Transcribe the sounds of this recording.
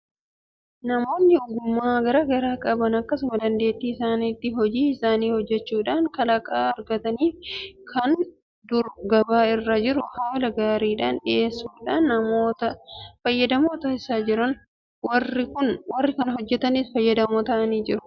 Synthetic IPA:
nɐmo̞ːnːɪʊɡʊmːaːɡɐɾɐɡɐɾaːkʼɐbɐnɐkːɐsʊmɐd̪ɐnd̪e̞ːt̪ːiːɪsaːniːt̪ːɪɦɔd͡ʒiːɪsaːniːhɔd͡ʒːɛt͡ʃːuːᶑaːŋkɐlɐkʼaːɐɾɡɐt̪ɐniːfkʰɐn | d̪ʊɾɡɐbaːɪrːɐd͡ʒɪɾʊhaːlɐɡaːɾiːᶑaːnᶑɪʔe̞ːsːuːᶑaːnːɐmoːt̪ɐfɐjːɐd̪ɐmoːt̪ɐːɪsaːd͡ʒɪɾɐn | wɐrɪkʊnwɐrːɪkɐnɐhɔd͡ʒːɛt̪ɐniːsfɐjːɐd̪ɐmoːt̪ɐʔɐniːd͡ʒɪɾʊ̥

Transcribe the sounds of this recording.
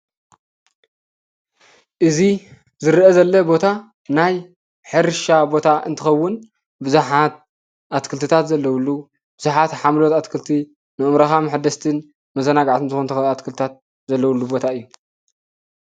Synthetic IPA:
ʔɨzi | zɨɾʔɐzɐlːɐbo̞t̪ʰa | naj | ħɨɾʃabo̞t̪ʰaʔɨ̰nt̪ʰɨxɐwːʊn | bɨzuħat̪̚ | ʔat̪kʰɨlt̪ɨt̪ʰat̪zɐlːɐwulːu | b̥ɨzuħat̪ħamlo̞t̪at̪kʰɨlt̪ʰi | nɨʔɨmɾɐxamaħd̪ɐst̪ʰɨn | mɐzɐnaɡaʕt̪ʰɨnzɨxunt̪ʰɨxat̪kʰɨlt̪ɨt̪ʰat̪̚ | zɐlːɐwulːubo̞t̪ʰaɨjːu

